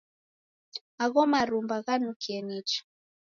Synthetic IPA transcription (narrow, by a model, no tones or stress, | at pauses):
aɣɔmaɾumbaɣanukiɛnit͡ʃḁ